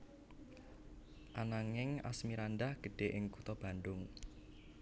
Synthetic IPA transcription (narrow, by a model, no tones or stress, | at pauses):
ʔanaŋɪŋa̰smiɾandahɡ̥ə̤ɖ̥e̤ʔɪŋkut̪ɔb̥a̤ndʊŋ